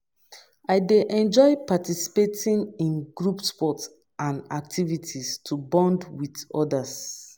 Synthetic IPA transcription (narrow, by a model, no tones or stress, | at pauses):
aɪdeʔɛ̃nd͡ʒɔɪpatisi̥petĩnĩnɡɹupspɔts | ãnak̚tʰivitʰistʰubɔ̃ndwidɔdas